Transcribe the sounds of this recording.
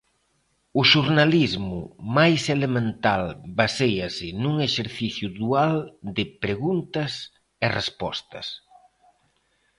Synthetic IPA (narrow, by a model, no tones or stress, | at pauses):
ʊʃuɾnalizmʊmajselemẽnt̪albasejɐsɪnuŋeʃeɾθiθjʊðuald̪ɪpɾeɣunt̪ɐs | erespɔ̰st̪ɐ̰s